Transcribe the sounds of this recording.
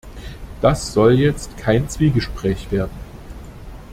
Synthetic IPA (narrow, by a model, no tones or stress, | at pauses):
d̥asz̥ɔljɛt͡stkʰaɪnt͡sv̥iːɡəʃpʁ̥ɛːçv̥eːɐdn̩